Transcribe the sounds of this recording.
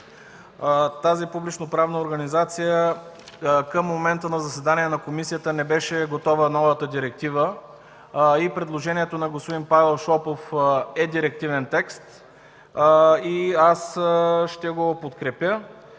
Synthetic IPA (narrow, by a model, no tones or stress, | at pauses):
t̪azipublit͡ʃnopɾavnəoɾɡɐnizat̪sijə | kəmːomɛnt̪ənɐzɐsɛd̪aniɛnɐkomisiət̪ənɛbɛʃɛɡot̪ɔvənɔvət̪əd̪iɾɛk̚t̪ivə | ipɾɛd̪lˠoʒɛniɛt̪onɐɡospod̪inpavɛlˠʃɔpofɛd̪iɾɛk̚t̪ivɛnt̪ɛkst̪ | iasʃt̪ɛɡopot̪kɾɛpjə